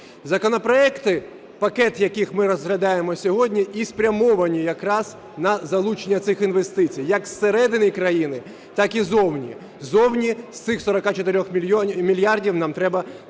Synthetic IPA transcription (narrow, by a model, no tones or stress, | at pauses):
zɐkɔnɔpɾɔɛkt̪ɪ | pɐkɛt̪jɐkixmɪɾɔzɦlʲɐd̪ɑjemɔsʲɔɦɔdʲnʲiʔispɾʲɐmɔʋɐnʲijɐkɾɑz̥ | nɐzɐlˠut͡ʃenʲːɐt̪sɪxinʋe̞st̪ɪt͡sʲijjɐksːeɾɛd̪ɪnʲɪjkɾɐjinɪ | t̪ɑkizɔwnʲḭ | zɔwnʲist̪sɪxsɔɾɔkɑt͡ʃɔt̪ɪɾʲɔxmʲilʲjɑrdʲiwnɑmt̪ɾɛbɐ